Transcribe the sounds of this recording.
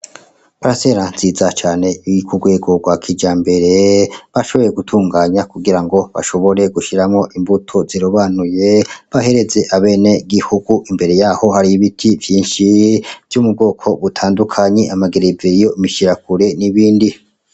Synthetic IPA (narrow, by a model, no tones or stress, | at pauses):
paɾase̞ɾanz̥izat͡ʃaːne̞jikuɡwe̞ːɡo̞ɡwakʰid͡ʒaːmbe̞ɾe̞βaʃoβo̞je̞ɡutʰuːŋɡaːɲakuɡiɾaŋɡo̞βa̰ʃo̞βo̞ɾe̞ɡuʃiɾamŋo̞ʔimbutʰo̞ziɾoβanuje̞βahe̞ɾe̞ze̞ʔaβe̞ːne̞ɡihuɡuʔimbe̞ɾe̞jaːho̞haɾijiβitʰivjiːnʃiv̥jumub̚ɡo̞ːkʰo̞βutʰaːndukʰaɲe̞ʔamaɡeɾeveɾijo̞imiʃiɾakuɾe̞niβiːndi